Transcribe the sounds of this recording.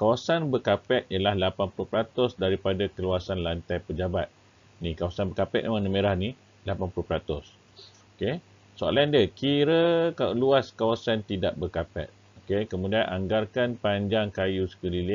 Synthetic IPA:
kawasanbəkapɛt̪̚jəlahlapanpulʊhpəɾat̪ʊsdaɾipadakəluasanlant̪ajpəd͡ʒabat̪̚ | nikawasanbəkapɛ̰ʔ̚ʔmənəmeɾahni | lapanpulupəɾat̪ʊs | oke | soa̰laandəkiɾəkaluaskawasant̪idaʔbəkapɛ̰t̪̚ | okekəmũdianʔaŋɡarkanpaɲd͡ʒaŋkajusə̥kəlilɪ

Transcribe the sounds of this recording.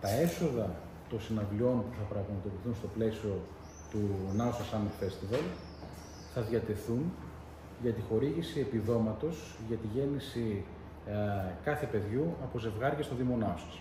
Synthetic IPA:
t̪ɐe̞so̞ðɐ | t̪o̞nsinɐvlio̞npuθɐpɾɐɣmɐt̪o̞piθunst̪o̞ple̞sio̞ | t̪unɐusɐsɐnulfe̞st̪ivɐl | θɐðʝɐt̪e̞θun | ʝɐt̪ixo̞ɾiʝisie̞piðo̞mɐt̪o̞z | ʝɐt̪iʝe̞nisi | kɐθe̞pe̞ðʝuɐpoze̞vɣɐɾʝɐst̪o̞ðimo̞nɐusɐ̥s

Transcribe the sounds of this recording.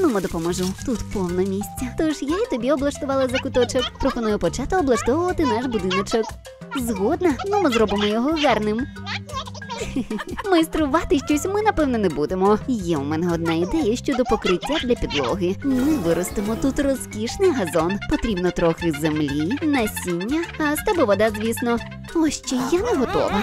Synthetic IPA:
numɪd̪ɔpɔmɔʒut̪ut̪pɔwnɔmʲisʲt͡sʲːɐt̪ɔʃjait̪ɔbʲiɔblˠɐʃt̪ʊʋɑlˠɐzɐkʊt̪ɔt͡ʃɔkpɾɔxɔnɔjʊpɔt͡ʃɛt̪ɐɔblˠɐʃt̪ɔʋʊʋɐt̪ɪnaʃbʊd̪ɪnɔt͡ʃɔk | zɦɔd̪nɐnʊmɪzɾɔbɪmɔjɔɦɔʋɛrnɪm | mɪjst̪ɾʊʋɑt̪ɪʃt͡ʃɔsʲmɪnɐpɛwnɔnɛbud̪emɔjɛʊmɛnɛɔd̪naid̪ɛjɐʃt͡ʃɔd̪ɔpɔkɾɪtʲːɐd̪lʲɐpʲid̪lˠɔ̰ɦɪmɪʋɪɾɔst̪ɪmɔt̪ut̪rɔskʲiʃnɪjɦɐzɔnpɔt̪ɾʲibnɔt̪ɾɔxɪzemlʲinɐsʲinʲːɐɐst̪ɛbɔʋɔd̪azʲʋʲisnɔ | ɔʃt͡ʃɛjanɛɦɔt̪ɔ̰ʋɐ

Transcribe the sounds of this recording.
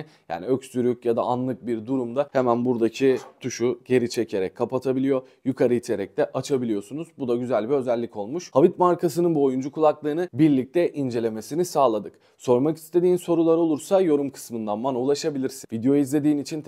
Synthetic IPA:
ja̰ːniø̞csyɾycjad̪a̰anlˠɯk̚biɾd̪uɾumd̪ahemænbuɾd̪acʰit̪ʰuʃuɟe̞ɾit͡ʃʰe̞cʰe̞ɾɛcʰːapat̪ʰabilʲijo̞ | jykʰaɾɯit̪ʰe̞ɾɛc̚t̪ɛʔat͡ʃʰabilʲijo̞sunuzbud̪aɟyzælʲbiø̞zɛlʲːicʰo̞lˠmuʃhavit̪maɾkʰas̬ɯnɯnbuo̞jund͡ʒukʰulˠaklˠɯːnɯbiɾlʲic̚t̪ʰɛʔind͡ʒe̞lʲe̞me̞sinisaːlˠad̪ɯk | so̞ɾmaki̥st̪ʰe̞d̪iːnso̞ɾulˠaɾo̞lˠuɾsajo̞ɾumkʰɯ̥smɯnd̪anmanulˠaʃabilʲiɾsivid̪ejo̞izlʲe̞d̪iːnit͡ʃʰin

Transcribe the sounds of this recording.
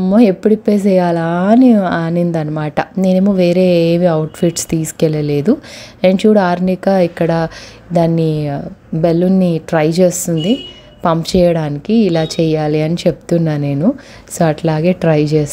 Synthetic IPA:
mːoepːuɽipːeːs̬ɛːjaːlaniaːnind̪ɐnɐmaːʈɐneːnemuʋeːɾeːmiɐwʈfʰiʈst̪iːskɛlːɐle̞ːd̪uent͡ʃuːɽaːɾnikɐikːɐɽɐ | d̪aːnːi | belːunːiʈɾɐjt͡ʃeːst̪und̪i | pɐmpt͡ʃɛːjɐɽaːnikiːlaːt͡ʃɛːjaːliɐnit͡ʃep̚t̪unːaːne̞ːnu | soːɐʈlaːɡe̞ːʈɾɐjt͡ʃeːs

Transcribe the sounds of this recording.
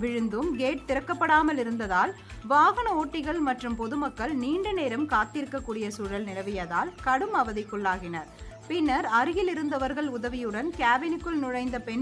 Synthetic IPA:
ʋɪɻɯnd̪ɯmɡeːʈ̚t̪ɪɾɐkːɐpːɐɽaːmɐlɪɾɯnd̪ɐðaːl | ʋaːɣɐnɐoːʈːɪɣɐɭmɐʈrɯmpɔðɯmɐkːɐɭniːɳɖɯneːɾɐmkaːt̪ɪɾɯkːɐkːuːɽɪjɐsuːɻɐlnɪlɐʋɪjɐðaːlkɐɽɯmɐʋɐðɪkːʊɭːaːɣɪnɐɾ | pɪnːɐɾɐɾɯjɪlɪɾɯnd̪ɐʋɐɾɣɐɭʊðɐʋɪjɯɽɐnkaːʋɪnɯkːɯɭnʊɻɐɪnd̪ɐpɛn

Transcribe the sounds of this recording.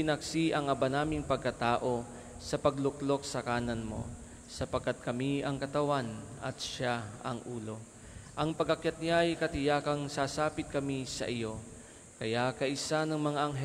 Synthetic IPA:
ɪnɐksiʔɐŋɐbanaːmɪŋpɐɡ̚kɐt̪aːʔo̞ | sɐpɐɡlʊklo̞k̚sɐkaːnɐnmo̞̰ | sɐpɐɡkːat̪̚kɐmiɐŋkɐt̪ɐwanɐ̰t̪ʃaɐ̰ŋʔuːlo̞ | ʔɐŋpɐɡɐkjat̪̚ɲajkɐt̪ɪjaːkɐŋsasaːpɪt̪̚kɐmisɐ̰ʔɪjo̞ | kɐjakɐʔɪsanɐŋmɐŋaʔɐŋɦɛ

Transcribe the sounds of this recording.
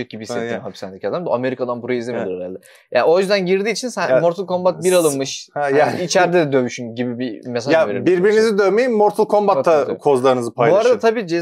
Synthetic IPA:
c̚ɟibiset̪ʰiːmhɦapi̥sænd̪icʰiad̪amd̪a̰ʔame̞ɾikʰad̪anbuɾoizlʲimd̪uɾaɾaɾlˠɯ | ja̰o̞jyzd̪ænɟiɾd̪iːt͡ʃʰinsænmoɾt̪ʰulˠkʰo̞mbat̪̚biɾalˠɯnmɯʃjait͡ʃʰæɾd̪ɛd̪ɛd̪ømyʃynɟibibimes̬ajaveɾibiɾbiɾinizid̪ømejimːoɾt̪ʰulˠkʰo̞mbat̪ʰːakʰo̞zlˠaɾɯnɯzɯpʰajloaɾad̪at̪ʰabiːt͡ʃʰɛ

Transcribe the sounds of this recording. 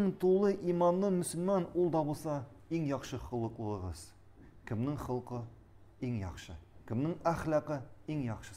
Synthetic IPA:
ŋt̪ulˠːɤʔimɑnlˠɤmɵ̆sɵ̆lmɑnulˠd̪ɒbulˠsɑ | iŋjɒχʃɤχɤ̆lˠɤ̆qlˠɤ̆ɤ̆ʁɤz̥ | kɘ̆mnɘŋχɤ̆lˠqɤ | iŋjɒ̰χʃɤkɘ̆mnɘŋæχlɑqɤiŋjɒχʃɤ̥

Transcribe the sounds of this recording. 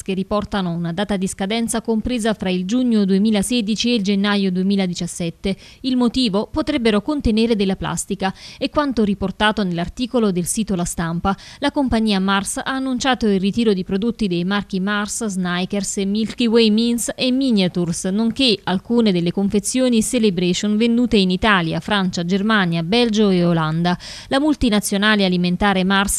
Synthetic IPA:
skerːipɔrt̪anounad̪aːt̪ad̪iskad̪ɛnt̪sakompɾeːzafɾaild͡ʒuɲːod̪uemiːlasɛːd̪it͡ʃield͡ʒenːajod̪uemiːlad̪it͡ʃasːɛt̪ːe | ilmot̪iːvopot̪ɾɛbːeɾokont̪eneːɾed̪elːapla̰st̪ikaekːwant̪oɾiport̪aːt̪onelːart̪iːkolod̪elsiːt̪olast̪ampalakompaɲːiːamarsaːnːunt͡ʃaːt̪oilrːit̪iːɾod̪ipɾod̪ot̪ːid̪ejmark̟imarsznajkersmilkiwejminsemːinjat̪ursnoŋkealkuːned̪elːekoɱfet̪sːjoːniselebɾet͡ʃonvend̪uːt̪einit̪aːlja̰fɾant͡ʃad͡ʒermaːnjabɛld͡ʒoeoland̪a | lamult̪inat̪sːjonaːlialiment̪aːɾemars

